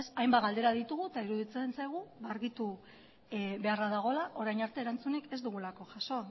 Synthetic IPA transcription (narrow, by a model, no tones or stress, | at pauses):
sajmbaɣald̪e̞ɾaðit̪uɣ̞ut̪aiɾuðit͡se̞nsajɣ̞uβaɾɣit̪u | βe̞araðaɣ̞o̞laʔo̞ɾajnaɾt̪e̞ːɾant͡suneke̞zd̪uɣ̞ulako̞ʝaso̞